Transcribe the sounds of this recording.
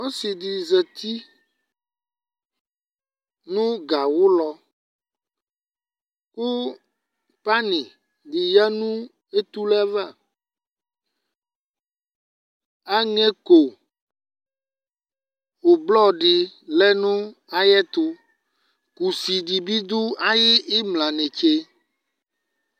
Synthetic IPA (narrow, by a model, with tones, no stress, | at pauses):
wɔ˦si˨ɖi˨zɛ˨t̪i˦ | nũ˦ɡa˨wu˦lɔ˦ | ku˦ | pa˦nĩ˨ | ɖi˨ja˦nũ˦ | e˦t̪u˦lɛ˦va˦˨ | a˦ŋɛ̃˦ko˨ | wo˨blɔ˦ɖi˨lɛ˦nũ˦a˦jɛ˦t̪o˦ | ku˨si˨ɖi˨bi˦d̪u˦a˦ji˦i˦mlã˨nɛ̃˨t͡ʃe˦